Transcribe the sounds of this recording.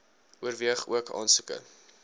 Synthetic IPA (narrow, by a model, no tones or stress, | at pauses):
ʔuərviəχṵəkɑ̰ːnsukə̰